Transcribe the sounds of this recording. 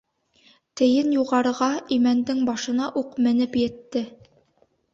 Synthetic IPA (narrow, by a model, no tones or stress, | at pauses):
t̪ɘ̆jɘnjuʁɑɾɤ̆ʁɑimænd̪ɘŋbɑʃɤ̆nɑʔuqmɘ̆nɘpjɘ̆t̪ːɘ